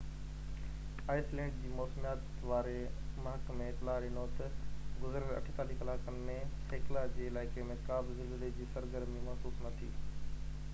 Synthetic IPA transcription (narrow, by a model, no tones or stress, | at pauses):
aːɪslɛ̃ːɳɖd͡ʑiːmɔːsmijaːt̪ | ʋaːɾemɐɦəkmẽt̪laːɾɪnot̪ɐɡʊzɾəɾɐ̰ʈʰɪt̪aːliːkɪlaːkənɪ̆mẽseːklad͡ʑeːɪlaːɪkemẽkaːbɪzɪldəled͡ʑiːsɐɾɡəɾmimɐɦsuːsnɐt̪ʰiː